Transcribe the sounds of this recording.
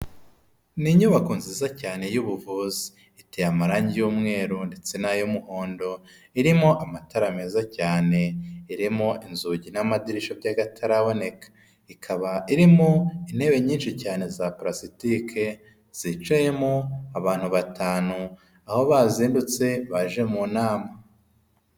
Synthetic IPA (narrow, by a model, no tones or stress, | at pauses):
niɲuβakonziːzacaːne̞juːβuvuːzi̥ː | tejamaɾaːɲɟijuːmŋe̞ːɾunde̞t͡se̞najomuho̞ːndo̞ | iɾimoʔamataɾame̞ːzacaːne̞iɾimoʔinzuɟinamadiɾiʃobɟaɡatʰaɾaβo̞ne̞kḁ | ikʰaβaiɾimoinhe̞βe̞ɲiːnʃicaːne̞zapɾasitikʰe̞ | z̥it͡ʃaje̞moaβaːn̥huβatʰaːnu | aho̞βaːziːndut͡se̞βaʒe̞muːnaːma